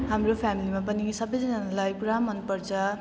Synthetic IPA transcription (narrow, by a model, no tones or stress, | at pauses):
ɦamropʰamilimapʌnisʌbʌjd͡zʌnʌnalajpuɾamʌnpʌrt͡sʰʌ